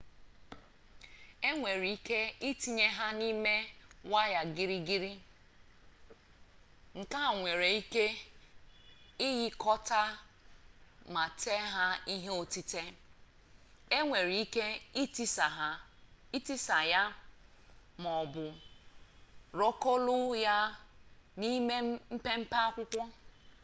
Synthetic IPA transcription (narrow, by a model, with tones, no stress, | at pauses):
e˦ŋʷe˨ɾi˨i˦ke˦i˦ti˦ɲe˦ɦa˦ni˦me˦wa˦ja˨ɡi˦ɾi˦ɡi˦ɾi˦ | ŋ̩˨ka˦˨ŋʷe˨ɾe˨i˦ke˦ | ɪ˦ɣɪ˦kɔ˦ta˦ | ma˨te˦ɦa˦i˦ɦe˦o˨ti˦te˦ | e˦ŋʷe˨ɾi˨˦i˦ke˦i˦ti˦sa˨ɦa˦i˦ti˦sa˨ja˦ | m˨ɔ˨bʊ˨ | ɾo˦ko˦lʊ˦ja˦ | ni˦me˦m̩˦pe˦m̩˦pa˦kʷʊ˦kʷɔ˦